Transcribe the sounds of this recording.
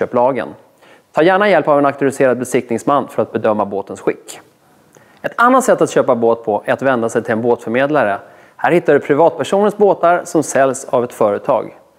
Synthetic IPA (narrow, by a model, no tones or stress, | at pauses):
øːplɑːɡə̰n | t̪ʰɑːjæːɳajɛlpavɛnakt̪ɵalɪseːɾad̪̚bɛsɪk̚t̪nɪŋsmanːfœɾat̪̚bɛd̪œmːaboːt̪ənsɧɪ̰kː | ɛt̪ʰanːat̪sɛt̪ːat̪ɕøːpaboːt̪̚pʰɔʔæɾat̪vɛnd̪asɛjt̪ʰɪlɛnboːt̪fœɾmeːd̪laɾə | hæːɾhɪt̪ːaɖɵpʰɾɪvɑːt̪̚pʰæʂuːnənsboːt̪aɾsɔmsɛlːsavɛt̪fœːɾət̪ʰɑ̰ːɡ